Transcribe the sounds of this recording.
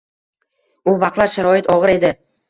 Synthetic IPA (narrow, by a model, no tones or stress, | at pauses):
ʊvɑq̪lˠaɾʃaɾɒɪt̪ʰɒʁɨɾe̞d̪ɪ